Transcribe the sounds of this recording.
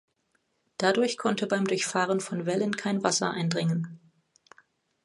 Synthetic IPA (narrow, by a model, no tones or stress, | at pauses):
d̥adʊɐçkʰɔntəbaɪmdʊɐçfaːʁənfɔnvɛlənkʰaɪnvasɐ̰ʔa̰ɪndʁɪŋən